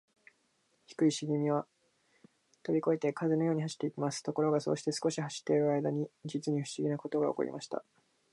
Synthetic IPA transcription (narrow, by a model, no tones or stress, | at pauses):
çi̥kɯ̟iɕiɡʲimʲiβa | t̪o̞bʲiko̞et̪e̞kazɨno̞jo̞ːɲ̟iɦaɕi̥t̪ːe̞ikʲimasɨ̥t̪o̞ko̞ɾo̞ɡaso̞̰ːɕi̥t̪e̞sɨ̥ko̞ɕihaɕi̥t̪ːe̞iɾɯ̟aid̪aɲ̟id͡ʑit͡sɨɲ̟iɸ̟ɕiɡʲinako̞t̪o̞ɡaoko̞̰ɾḭmʔaɕi̥t̪a̰